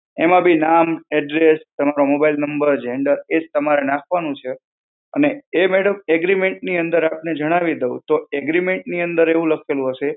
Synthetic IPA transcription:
emãbʱinamɛɖɾest̪əmaɾomobailnəmbəɾd͡ʒeɳɖəɾed͡ʒt̪əmaɾenakʰʋanũt͡ʃʰe | ə̰neːmeɽəmɛɡɾimeɳʈniənd̪əɾapned͡ʒəɽ̃aʋid̪əṵ̃t̪oɛɡɾimeɳʈniənd̪əɾeʋũləkʰelũɦəʃe

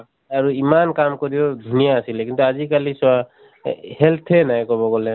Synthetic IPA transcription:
aɹuimankamkɔɾiɔd̪ʱunijaːsilɛkint̪uazikaliswa | hɛlt̪ʰɛnajkɔβɔɡɔlɛ

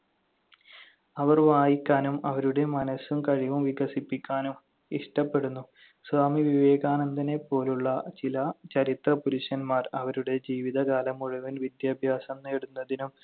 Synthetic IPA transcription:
ɐʋɐrʋaːjikʲːaːnumɐʋɐɾuɽe̞mɐnɐsumkɐɻiʋumʋiɡɐsipːikʲːaːnum | iʂʈɐpːe̞ɽunːu | sʋaːmiʋiʋe̞ːɡaːnɐnd̪ɐnepːo̞ːluɭːɐt͡ɕilɐt͡ɕɐɾit̪rɐpuɾuʂɐnmaːrɐʋɐɾuɽe̞d͡ʑiːʋiðɐɡaːlɐmːuɻuʋinʋid̪jaːbʱjaːsɐmneɽunːɐðinum

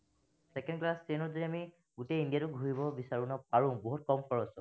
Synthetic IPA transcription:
sɛkɛ̃ndklastenɔdoɹiami | ɡuteĩndijatʊɡʱuɦibɔbisaɹunɔpaɹʊ̃boɦut̚kɔmpʰɔɹɔsɔ

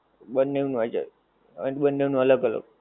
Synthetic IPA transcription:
bənːeʋnuad͡ʒḛ | ə̰nbənːeʋnuələɡələ̰ɡ̚

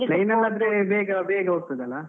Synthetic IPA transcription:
lɐjnɐlːɐːd̪ɾebeːɡɐbeːɡɐɾt̪ɐd̪ɐlːa

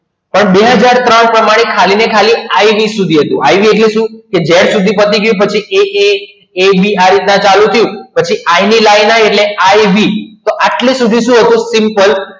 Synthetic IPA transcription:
pəɳbeɦəd͡ʒaɾt̪ɾəɳpɾəmaɽ̃ekʰalinekʰaliajʋisud̪ʱiɦət̪ũajʋieʈliʃũked͡ʒeɽsud̪ʱipət̪iɡəjũpət͡ʃʰiee | ebʱiaɾit̪nãt͡ʃalũt̪ʰəjũpət͡ʃʰiʔainilajnajeʈleajʋit̪oʔaʈlisud̪ʱiʃũɦət̪ũsɪmpəl

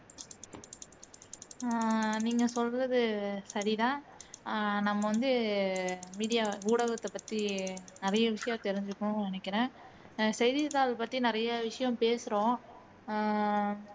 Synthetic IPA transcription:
niːŋɡɐsɔlɾɐðɯsɐɾiðãː | nɐmːɐʋɐnd̪ɯ | miːɽɪjaːuːɽɐɣɐt̪ːɐpːɐt̪ːinɪɾɐjɐʋɪʂɐjɐ̃t̪ɛɾɪɲd͡ʒɯkːɐɳʊ̃nɛnɛkːɪɾẽː | sɛɪðɪt̪aːlpɐt̪ːinɪɾɐjɐʋɪʂɐjɐ̃mpeːsɯɾõː

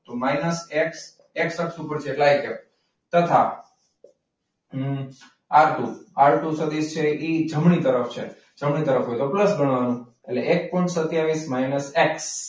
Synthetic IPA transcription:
t̪omajnəseks | eksəksupəɾd͡ʒeʈlajke | t̪ət̪ʰa | aɾt̪uaɭʈusəd̪ist͡ʃʰeid͡ʒəmɳit̪əɾəft͡ʃʰḛ | d͡ʒəmɳit̪əɾəfɦojt̪opləsbəɳ̃ʋanũ | eʈleʔek̚pɔjɳʈsət̪jaʋismajnəseks

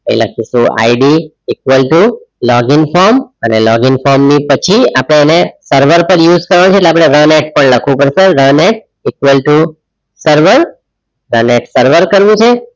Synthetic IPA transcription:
kəḭ̃la̰k̚ʰiʃũa̰iɖi | ikʋəlʈu | lɔɡɪnfɔɾmənelɔɡɪnfɔɾmnipət͡ʃʰiapəɽ̃eːnesəɾʋəɾpəɾjud͡ʒkəɾʋañt͡ʃʰetleapɽ̃eɾəneʈ̚pəɳləkʰʋũpəɾʃeɾəneʈ̚ | ikʋəlʈu | səɾʋəɾ | ɾəneʈsəɾʋəɾkəɾʋũt͡ʃʰe

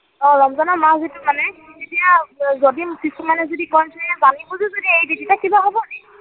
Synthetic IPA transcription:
ɔɹɔmzɔnamazetʊmanɛzetijazodimkisumanɛzodikɔnsɛzanibuzuzodiejbiditakibaɦɔbɔnɛ

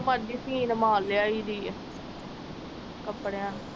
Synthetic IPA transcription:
madiːsiːnəmaːlːeaːiːd̪iː | kəpːɽeãːn

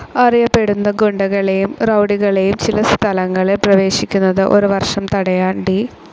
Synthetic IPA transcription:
ɐrijɐpːe̞ɽunːɐɡoɳɖɐɣɐɭejumrɐwɽiɣɐɭejumt͡ɕilɐst̪ʰɐlɐŋːɐɭiprɐʋe̞ːɕikʲːunːɐðɨʔo̞ɾuʋɐrʂɐmt̪ɐɽɐjaːnɖi

